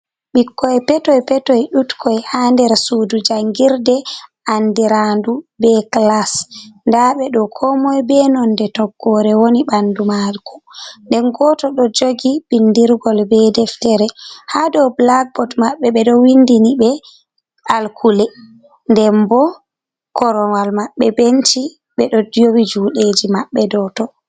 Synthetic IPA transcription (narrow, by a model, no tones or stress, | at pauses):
ɓikːɔjpɛtɔjpɛtɔjɗutkʰɔjhandɛɾsudud͡ʒaŋɡiɾdɛ | andiɾandubɛklasndaɓɛɗɔkʰɔmɔjbɛnɔndɛtɔɡːɔɾɛwoniɓandumalku̥ndɛnɡɔtɔɗɔd͡ʒoɡibindiɾɡɔlbɛdɛftɛɾɛhadɔwblak̚bɔtmaɓːɛɓɛɗɔwindinibɛ | alkʰulɛ | ndɛmbɔ | kɔɾɔwalmaɓːɛbent͡ʃi | ɓɛɗɔdjowid͡ʒuːɗed͡ʒimaɓːɛdɔtɔ